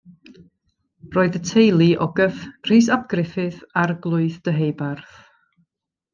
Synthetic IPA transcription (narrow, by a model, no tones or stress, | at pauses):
roːɨðətʰejlˠiʔɔɡəfr̥iːsap̚ɡ̥rɪfɪɨðarɡlˠʊɨθd̥əɦejbarθ